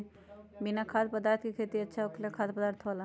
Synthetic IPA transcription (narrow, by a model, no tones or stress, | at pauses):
binakʰad̪pəd̪aɾt̪ʰkikʰet̪iətːʃʰaokʰelakʰad̪pəd̪aɾt̪ʰɦɔla